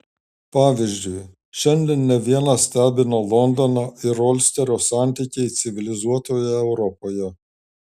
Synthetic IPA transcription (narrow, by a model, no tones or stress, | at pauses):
pɑːʋʲiʒʲd͡ʒʲʊɪ | ʃʲɛnʲd̪ʲɛnnʲɛʋʲiɛnɑsʲt̪ʲæːbʲɪnoːlˠɔnd̪ɔnɑɪɾɔlʲsʲt̪ʲɛɾʲoːsɑːˑnʲt̪ʲikʲɛɪt̪sʲɪʋʲɪlʲɪzuɔt̪oːjɛɛʊɾɔpoːjɛ